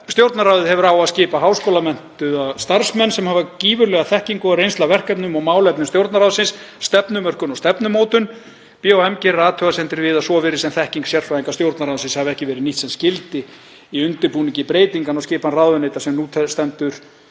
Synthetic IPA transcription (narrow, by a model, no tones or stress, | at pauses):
st̪jowɾt̪naɾaːwðʏðhɛvʏɾawascɪːpaɦaːwskoːwlamɛn̥t̪ʏast̪aɾ̥smɛnːsɛmhaːvaciːvʏɾlɛɣaθɛhciŋkʏarejnst̪lavɛr̥kɛpnʏmɔɣmaːwlɛpnʏmst̪jowɾt̪naɾawðsɪnsː | t̪ɛpnʏmœr̥kʏnɔɣst̪ɛpnʏmoːwt̪ʏn | piowɛmcɪrːaːt̪ʰœːɣasɛnt̪ɪɾvɪːðasɔvɛːɾɪsɛmθɛhciŋksjɛr̥fɾajðiŋkast̪jowɾt̪naɾawðʏsɪnshavɛhcɪvɛːɾɪniht̪sɛmscɪlt̪ɪ | iʏnt̪ɪɾpuːniɲcɪpɾeːjt̪iŋkanawscɪːpanraðʏnejt̪asɛmnuːt̪ʰɛst̪ɛnt̪ʏɾ̥